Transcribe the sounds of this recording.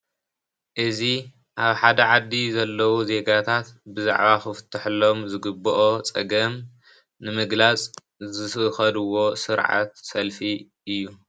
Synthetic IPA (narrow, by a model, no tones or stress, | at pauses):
ʔɨzi | ʔaβħad̪ɐʕad̪ːizɐlːɐwuze̞ɡat̪ʰat̪bɨza̰ʕβaxɨfɨ̥t̪ʰːɐħlːo̞mzɨɡɨbɐʔot͡sʼɐɡɐm | nɨmɨɡlat͡sʼ | zɨɨxɐd̪ɨwo̞sɨɾʕa̰t̪sɐlfi | ʔɨjːu